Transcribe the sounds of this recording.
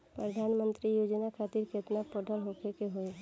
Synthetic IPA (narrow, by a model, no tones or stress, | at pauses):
pɾəd̪ʱaːnmə̃nt̪ɾijoːd͡ʒnakʰat̪iɾket̪napɔɖʱəlɦokʰekeɦoe